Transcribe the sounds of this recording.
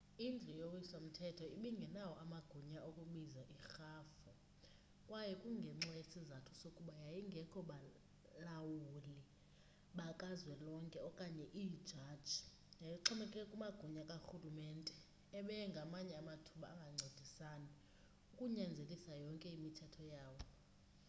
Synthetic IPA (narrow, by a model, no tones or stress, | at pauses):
ind͡ɮʱɛjowisam̩tʰɛtʰɔiɓiŋɡʱɛnawɔʔamaɡ̥ʱuɲaʔokʼuɓizaʔixaːfu | kʼwajɛkʼuŋɡʱɛŋ͡ǀɛjesizatʰusokʼuɓajajiŋɡʱɛkʰɔɓa | lawuli | ɓakʼazwɛlɔŋkʼɛɔkʼaɲɛʔid̥ʒ̥ʱad̥ʒ̥ʱi | jajiǃʰɔmɛkʼɛkʼumaɡ̥ʱuɲakʼaxulumɛntʼɛ | ɛɓɛŋɡʱamaɲɛamatʰuɓa̰ːŋɡʱaŋ͡ǀʱod̥ʱisaːni | ukʼuɲɛnd͡zʱelʼisajɔŋkʼɛimitʰɛtʰɔjaːwɔ